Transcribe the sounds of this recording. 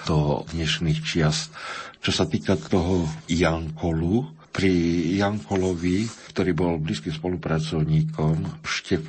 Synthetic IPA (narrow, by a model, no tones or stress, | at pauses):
d̪̥ɔd̪ɲɛʃniːxt͡ʃɪast̪t͡ʃɔsat̪iːkat̪ɔɦɔjaŋkʰɔlu | pɾijaŋkɔlɔʋikt̪ɔɾiːbɔlbliːskimspɔlupɾat͡sɔʊɲiːkʰɔmʃcɛf